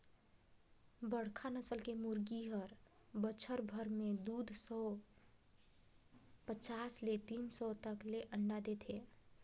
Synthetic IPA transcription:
bəɽ̤kʰanəsəlkemuɾɡiɦəɾ | bət͡ʃʰəɾbʱəɾmed̪ud̪ʱsɔ | pət͡ʃaslet̪insɔt̪əkleʔəɳɖad̪et̪ʰe

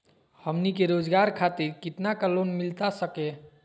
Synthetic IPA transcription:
həmnikeɾod͡ʒɡaɾkʰat̪iɾkit̪nakəlonmilt̪asəke

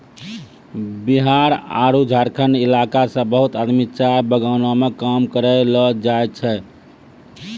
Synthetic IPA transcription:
biɦaɾa̰ɾud͡ʒʱaɾkʰənilakasə̃bəɦut̪əd̪mit͡ʃaɾbəɡaʊnamekamkəɾɛlɔd͡ʒajt͡ʃʰɛ

